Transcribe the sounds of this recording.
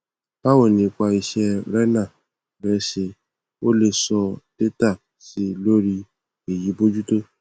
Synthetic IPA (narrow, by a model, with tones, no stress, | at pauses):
pa˦wo˦˨nĩ˨kʷa˧i˧ʃɛ˧ɾɛ˦nã˦˨ | bɛ˧˦ʃe˧ | o˦le˦˨sɔ˧te˦ta˦˨ | si˧˦lo˦ɾi˧ | e˨ji˨˦bo˦d͡ʒu˦to˦